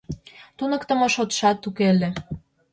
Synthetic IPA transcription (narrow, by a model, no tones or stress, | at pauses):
t̪unəkt̪ə̆moʃot̪ʃɑt̪ːukele